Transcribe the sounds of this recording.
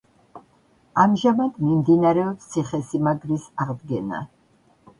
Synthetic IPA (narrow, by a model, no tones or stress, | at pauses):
amʒamad̪mimd̪inaɾɛɔpssʰiχɛsimaɡɾisaʁd̪ɡɛna̰